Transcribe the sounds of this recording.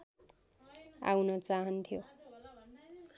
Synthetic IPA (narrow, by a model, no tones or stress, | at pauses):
a̰wnʌt͡saɦʌnt̪ʰijo